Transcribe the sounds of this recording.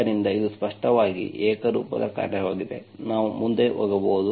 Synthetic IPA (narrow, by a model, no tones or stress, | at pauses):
ɐɾind̪ɐid̪uspɐʂʈɐʋaːɡḭʔɛːkɐɾuːpɐ̰d̪ɐ̰ka̰ːɾjɐʋaːɡid̪e̞̰ | naːʋumund̪e̞ʋɔɡɐbɐːud̪u